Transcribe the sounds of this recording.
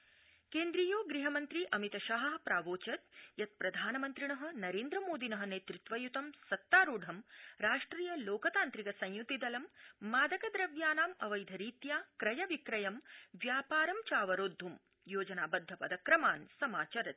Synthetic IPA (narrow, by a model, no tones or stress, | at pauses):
keːnd̪ɾijoːɡɾiɦɐmɐnt̪ɾiʔɐmit̪ɐʃɐɦɐɦpɾaːʋoːt͡ʃɐt̪jɐt̪̚pɾɐd̪ʱaːnɐmɐnt̪ɾiɳɐɦɐ̆nɐɾeːnd̪ɾɐmoːd̪inɐɦɐ̆neːt̪ɾit̪ʋɐjut̪ɐmsɐt̪ːaːɾuːɖʱɐmɾaːʂʈɾiːjɐloːkɐt̪aːnt̪ɾiɡɐsɐ̃jjut̪id̪ɐlɐmːaːd̪ɐkɐd̪ɾɐʋjaːnaːmɐ̰ʋɐjd̪ʱɐɾiːt̪jaːkɾɐjɐʋikɾɐjɐmʋjaːpaːɾɐmt͡ʃaːʋɐɾoːd̪ʱːum | joːd͡ʒɐnaːbɐd̪ʱːɐpɐd̪ɐkɾɐmaːnsɐmaːt͡ʃɐɾɐt̪̚